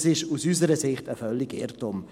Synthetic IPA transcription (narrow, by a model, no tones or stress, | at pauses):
sɪʃusysəɾəsɪχtəfœlːɪɡɪ̰ɾtʊm